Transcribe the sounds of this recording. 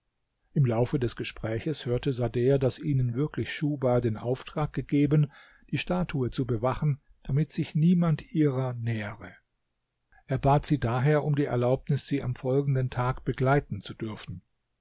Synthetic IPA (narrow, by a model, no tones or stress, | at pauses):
ʔɪmlaʊfədɛsɡ̥əʃpʁ̥ɛːçəshøːɐtəzadeːɐdasʔiːnənvɪɐklɪçʃuːbaːdeːnʔa̰ʊftʁ̥aːk̚ɡ̥əɡeːbən | d̥iːʃtaːtʰuət͡subəvaχn̩ | d̥amɪtz̥ɪçniːmantʔiːʁɐnɛːʁə | ʔeːɐbaːtz̥iːdaːɦeːɐʔʊmdiːɛ̰ɐlaʊpnɪsz̥iːa̰mfɔlɡŋ̩dəntʰaːkb̥əɡlaɪtn̩t͡sud̥ʏɐfn̩